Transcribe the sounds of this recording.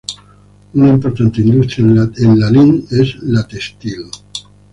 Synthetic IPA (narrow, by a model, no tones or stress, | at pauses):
unaimpoɾt̪ant̪eind̪ust̪ɾjaenlalinezlat̪est̪il